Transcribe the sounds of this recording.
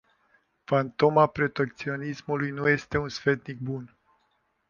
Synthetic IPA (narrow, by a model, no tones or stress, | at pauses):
fant̪o̞mapɾo̞t̪e̞k̚t̪sio̞nismulujnuje̞st̪e̞unsfe̞t̪nik̚bun